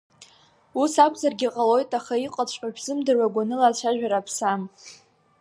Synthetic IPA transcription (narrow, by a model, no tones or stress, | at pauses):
usakʷʰzarɡʲiqʼalo̞jtʼaχaiqʼat͡ɕʷʼqʼaʒᶣzɨmdɨrwaɡʷanɨlat͡ɕʷʰaʒᶣaɾapʰsam